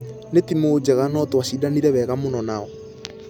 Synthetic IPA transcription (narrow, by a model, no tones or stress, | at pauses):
netimod͡ʒɛɣanɔtwaʃidaniɾɛβɛɣamonɔnaɔ